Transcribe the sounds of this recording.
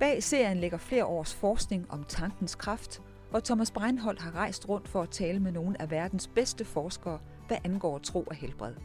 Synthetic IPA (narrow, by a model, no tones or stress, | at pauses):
b̥ɛ̰ːise̝ɐ̰jənleɡ̥ɐfle̝ːɐʔɒ̰ːsfɒːsɡ̥ne̝ŋɒ̽mt͡sʰɑ̈ŋɡ̥n̩skʰʁɑfd̥ | ʋɒt͡sʰɒmæsb̥ʁɑ̈ɪnɦɒ̽l̰ɦɑ̈ʁɑ̈ɪ̰sd̥ʁɔ̽n̰d̥fɒ̽æt͡sʰɛːləmeno̝ːn̩æʋæɐd̥n̩sb̥esd̥əfɒːsɡ̥ɐː | ʋ̥æʔænɡ̥ɒ̰ːt͡sʰʁo̝̰ːʔɒhelb̥ʁɛðˠ